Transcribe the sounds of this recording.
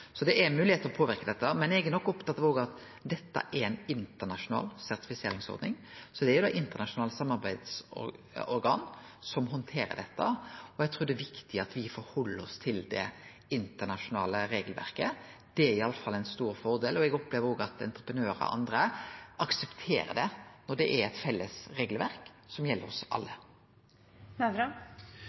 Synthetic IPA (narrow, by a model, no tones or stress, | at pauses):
sɔd̪ɛʔæmʉːlɪheːt̪əɾɔpʰoːʋɪɾkəd̪ɛt̪ːəmɛnɛɡænɔkːɔpt̪ʰɑt̪ɑːʋoːɡɑt̪ | d̪ɛt̪ːə̰ʔæɾɛnɪnt̪ənɑʂʊnɑ̰ːlsæɾt̪ɪ̥fɪseːɾɪŋsɔ̰ɾd̪nɪ̰ŋsɔd̪ɛæɾjʊd̪ɑ̰ːʔɪnt̪ənɑʂʊnɑːlsɑmːɑɾbæɪd̪sɔ̰ | ɔɾɡɑːn | sɔmɦɔnt̪ʰeːɾə̰d̪ɛt̪ːə̰ɔɛɡ̚t̪ʰɾuːɾd̪ɛːʋɪkt̪ɪɑt̪ʋɪfɔɾhɔlːəɾɔst̪ʰɪld̪ɛ̰ | ɪnt̪ənɑʃʊnɑ̰ːləɾeːɡəlʋæ̰ɾkəd̪̥ɛæɾɪɑlːəfɑlːɛɪnst̪uːɾfɔɾd̪eːlɔɛɡɔpleːʋəɾɔːɡəɑt̪ɛ̰nt̪ɾəpɾənøːɾə̰ʔɑ̰nd̪ɾəʔɑksɛpt̪ʰḛːɾə̰d̪ɛnɔɖ̪ɛʔæɛt̪fɛlːəsʁeːɡlʋæɾk | sɔmjɛlːəɾɔsʔɑ̰lːə